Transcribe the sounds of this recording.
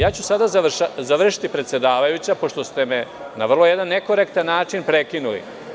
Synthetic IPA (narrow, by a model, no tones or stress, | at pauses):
jaːt͡ɕusad̪azaʃazaʋr̩ʃi̥t̪ipɾet̪sjed̪aːʋajut͡ɕapo̞ʂt̪o̞st̪e̞me | naʋr̩lˠo̞jed̪anːeko̞ɾekt̪anːaːt͡ʂinpɾe̞kinulḭ